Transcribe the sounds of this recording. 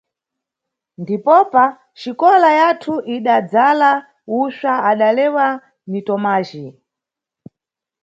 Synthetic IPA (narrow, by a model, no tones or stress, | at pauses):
ndipɔpa | t͡ʃikɔlajatʰuʔiɗad͡zala | uʃaaɗalɛwa | nitɔmaːʒi